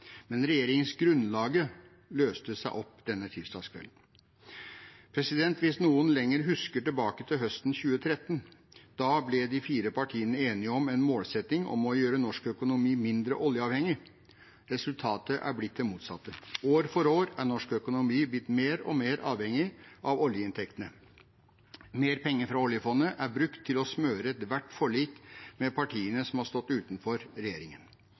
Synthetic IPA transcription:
mɛnɾɛjeːɾɪŋənsɡɾʉnlɑːɡə | løːst̪əsæɪʔɔpːd̪̥ɛnːət̪ʰɪlst̪ɑ̰ːskʰʋɛ̰ln̩ | pʰɾɛsɪd̪ɛnt̪ʋɪsnuːənlɛŋːəɾɦʉskəʈɪlbɑːkət̪ʰɪlɦœst̪n̩çʉːət̪ʰɾɛt̪ːənd̪̥ɑːblɪd̪ɪfiːɾəpʰɑʈʰiːənəeːnɪəɔmɛnmoːlsɛt̪nɪŋɔ̰mɔjøːɾənɔʂkœkʊnʊmiːmɪnd̪ɾəʔɔljəɑːʋhɛŋɪ | ɾɛsʉlt̪ʰɑːt̪əʔæ̰ɾblɪt̪̚d̪ɛmuːt̪sɑ̰t̪ːəoːɾfɔɾoːɾæɳɔʂkœkʊnʊmiːblɪt̪ːmeːɾɔ̰meːɾɑ̰ːʋhɛŋɪʔɑʋɔljəɪnt̪ʰɛkt̪ənə | meːɾpʰɛŋːəɾfɾɑɔljəfɔnːəʔæɾbɾʉkt̪ʰːɪlɔsmøːɾəɛt̪ʋæʈːfɔɭiːt̪mɛpʰɑʈʰiːənəsɔmhɑst̪ɔt̪ːʉːt̪n̩fɔɾɾɛjeːɾɪŋən

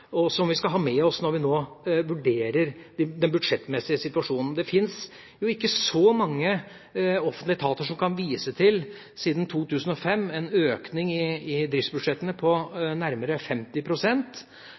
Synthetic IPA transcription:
ɔsɔmʋɪskɑlɦɑːmɛɔsnɔɾʋɪnoːʋʉɖeːɾəɾd̪d̪ɛnbʉd̪ʂɛt̪ːmɛsɪəsɪt̪ʋɑʂuːnn̩d̪ɛfɪns | jʊɪkːəsɔmɑŋːə | ɔfənt̪lɪt̪ʰɑːt̪əʂɔmkɑnʋiːsət̪ʰɪl | siːd̪n̩t̪ʰuːt̪ʰʉːsn̩ɔfɛmːɛnøːknɪŋɪɪd̪ɾɪft̪sbʉd̪ʂɛt̪ːənəpʰɔnæɾməɾəfɛmt̪ɪpʰɾʊsɛnt̪

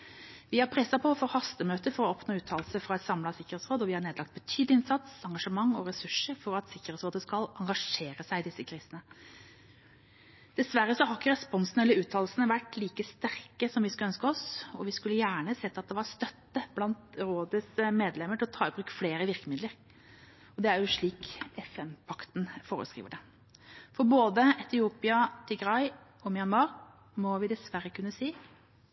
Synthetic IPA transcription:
ʋɪhɑɾpʰɾɛsːɑpʰɔfɔɾhɑst̪əmøːt̪əfɔɾɔɔpnoːʉːt̪ʰɑːlsəfɾɑɛt̪sɑmlɑsɪkːəɾɛt̪sɾoːd̪ɔʋɪhɑɳeːd̪lɑk̚t̪̚bət̪ʰyːd̪lɪɪnsɑt̪sɑŋɡɑʂəmɑŋːɔɾɛsʉʂəɾfɔɾɑt̪sɪkːəɾɛːt̪sɾoːd̪əskɑlʔɑŋɡɑʂeːɾəsæɪd̪ɪsəkʰɾiːsənə | d̪̥ɛsʋæɾːəsɔɦɑkːəɾɛspɔnsnɛləɾʉːt̪ʰɑːllsənəʋæʈːliːkəst̪æɾkəsɔmʋɪskʉlœnskəɔsɔʋɪskʉlːəjæːɳəsɛt̪ːɑt̪̚d̪ɛʋɑɾst̪œt̪ːəb̥lɑnt̪ɾoːd̪əsmeːd̪lɛmːəʈʰɪlɔt̪ʰɑːɪbɾʉkːfleːɾəʋɪɾkəmɪd̪ləɾ | ɔd̪ɛæɾjʊʂɭiːkɛfɛnpʰɑkt̪nfoːɾə̰skɾḭːʋəɖɛ | fɔɾboːd̪əɛt̪ɪuːpɪɑt̪ʰɪɡɾɑɪ | ɔmɪjɑnʋɑːɾ | mɔʋɪd̪ɛsʋæɾːəkʰʉnːəsiː

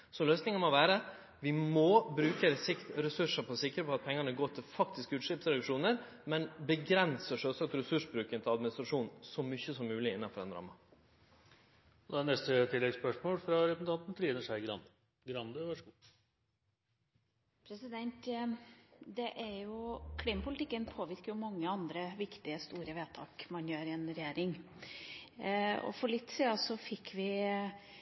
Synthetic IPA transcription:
sɔløːsnɪŋəmɔʋæːɾə | ʋɪmɔbɾʉːkəɾɛsɪkt̪ɾɛsʉʂəpɔsɪkːəɾəpɔɑt̪̚pʰɛŋːənəɡoːt̪ʰɪlfɑkt̪ʰɪskəʉːt̪ʂɪːpsɾɛd̪ʉkʂuːnəɾ | mɛnbəɡɾɛnsəʂøːlsɑk̚t̪ɾɛsʉʂbɾʉːkənt̪ʰɪlɑd̪mɪnɪst̪ɾɑʂuːnnsɔmʏçəsɔmːʉːlɪɪnːɑfɔɾɛnɾɑ̰ːmɑ | ɔd̪ɛænɛst̪ət̪ʰɪlːɛɡspœʂmoːlfɾɑɾɛsn̩t̪ɑnt̪n̩t̪ʰɾiːnəʂæɪɡɾɑ̰n | ɡɾɑnd̪əʋæʂəɡuː | pʰɾɛsɪd̪ɛnt̪ | d̪ɛʔæɾjʊkʰliːmɑpʊlɪt̪ɪkːənpʰoːʋɪɾkəɾjʊmɑŋːəɑnd̪ɾəʋɪkt̪ɪəst̪uːɾəʋeːt̪ʰɑ̰ːkmɑnjøːɾɪɛnɾɛjeːɾɪŋ | ɔ̰fɔɭɪt̪ːsiːɑsɔfɪkːʋɪ

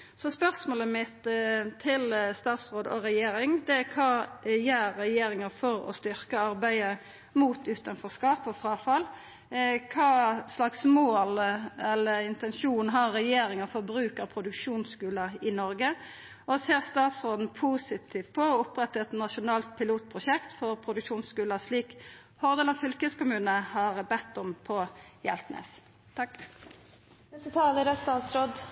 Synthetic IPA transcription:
sɔspœʁsmoːləmɪt̪t̪ʰːɪlst̪ɑːt̪sʁoːd̪ɔ̰ɾɛjeːɾɪŋd̪ɛækʰɑːjæːɾːɛjeːɾɪŋɑfɔɾɔ̰st̪ʏʁkəɑɾbæɪə | muːt̪ʉːt̪ɑnfɔʁskɑːpɔfʁɑːfɑl | kʰɑːslɑksmoːlɛlːəɪnt̪ɛnʃuːnɦɑɾːɛjeːɾɪŋəfɔʁbɾʉːkəʁpʰɾʊd̪ʉkʂuːnskʉːlɑɪnɔɾɡə | ɔseːʁst̪ɑːt̪sʁoːd̪n̩pʰuːsɪt̪ʰiːft̪̚pʰɔɔʊpɾɛt̪ːəɛt̪nɑʃʊnɑːlt̪̚pʰɪluːt̪̚pʰʁʊʃɛkt̪fɔʁpʰɾʊd̪ʉkʂuːnskʉːlɑsliːk | hɔʁd̪əlɑnfʏlkəskʊmʉːnəhɑʁbɛt̪ːɔmpʰɔjɛ̰lt̪nḛːs | t̪ʰɑk | ɛsət̪ʰɑːləɾɛst̪ɑːt̪sɾoːd̪

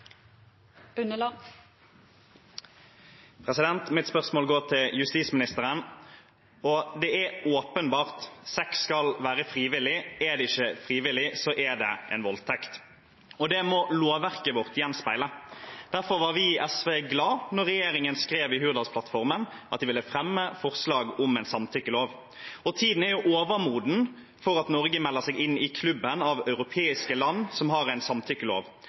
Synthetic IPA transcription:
ʉnəlɑ | pʰʁɛsɪd̪ɛnt̪mɪt̪spœʁsmoːlɡoːʁt̪ʰɪljʉst̪iːsmɪnɪst̪əʁən | ɔd̪ɛæoːpənbɑːʁt̪sɛkskɑlʋæːɾəfɾiːʋɪlɪɛd̪ɛɪçːəfɾiːʋɪlɪsɔʔɛd̪ɛɛ̰ɪnʋɔlt̪ʰɛkt̪ | ɔd̪ɛmɔloːʋæʁkəʋɔʁt̪jɛnspæɪləd̪̥æɾfɔɾʋɑːɾʋɪʔɛsʋeːɡlɑːnɔʁːɛjeːɾɪŋənskɾeːʋɪɦʉɾd̪ɑspʰlɑt̪fɔɾmənʔɑt̪̚d̪ɪʋɪlːəfɾɛmːəfɔʁslɑːɡʊmæɪnsɑmt̪ʰʏkːəloːʋ | ɔt̪ʰiːd̪n̩æɾjʊʔoːʋəɾmuːd̪n̩ | fɔɾɑt̪nɔɾɡəmɛlːəʁsɛɡɪnːɪkʰlʉbːənɑʋɑʉʁʊpʰeːɪskəlɑnːsɔmɦɑɾæɪnsɑmt̪ʰʏkːəlo̰ːʋ

